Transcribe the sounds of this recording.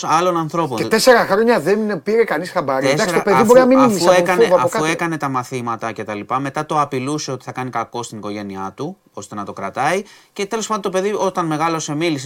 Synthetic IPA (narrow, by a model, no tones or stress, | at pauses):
ɐlo̞nɐnθɾo̞pponet̪ese̞ɾɐxɾoɲɐðenpiɾekɐnisxɐbɐɾesdɐksɾiopeðbo̞ɾinɐminimfisuekɐneɐɐofɐue̞kɐne̞t̪ɐmɐθimɐt̪ɐce̞t̪ɐlipɐme̞t̪ɐt̪o̞ɐpiluse̞o̞t̪i̥θɐkɐnikɐko̞st̪iniko̞ʝe̞niɐt̪u | o̞st̪e̞nɐt̪o̞kɾɐt̪ɐice̞t̪elo̞spɐd̪nt̪opeðio̞t̪ɐnme̞ɣɐlo̞se̞milis̬e